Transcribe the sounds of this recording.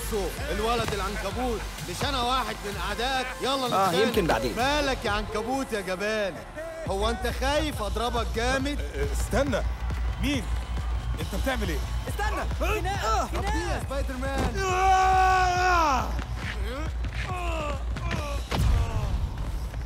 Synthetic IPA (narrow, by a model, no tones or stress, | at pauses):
soʔelwælæd̪elʕankæbuːt̪ | meʃʔænæwaːħed̪menʔaʕd̪æːʔækjɑlˤːɑæːjemkenba̰ʕd̪ḛːmæːlækʕankæbuːt̪jæɡæbæːl | howːæʔent̪æxæːjefʔɑd̪ɾˤɑbɑk̚ɡæːmed̪st̪ænːæmiːnʔent̪æb̚t̪eʕmelʔeːst̪ænːææːiæspæjd̪eɾmæːn